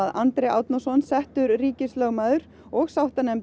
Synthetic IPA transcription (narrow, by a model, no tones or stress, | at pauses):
aðant̪ɾɛa̰wt̪nɔsɔnsɛht̪ʏɾriːcɪslœːwmaðʏɾ | ɔɣsawht̪anɛm